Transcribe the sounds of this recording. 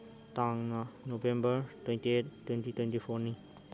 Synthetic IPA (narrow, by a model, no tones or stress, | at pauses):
taŋnanobembəɾtwẽntietːwentitwentipʰoɾniŋ